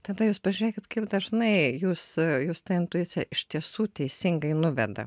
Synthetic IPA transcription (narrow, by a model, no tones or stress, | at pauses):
t̪ɐd̪ɐjuːspɐʒʲyɾʲeːkʲɪt̪kɐɪpd̪ɐʒnɐɪjuːsjuːst̪ɐɪnt̪ʊɪt̪sʲɪjɛʔɪʃt̪ʲiɛsuːt̪ʲɛɪsʲɪŋɡɐɪnʊʋʲɛd̪ɐ̰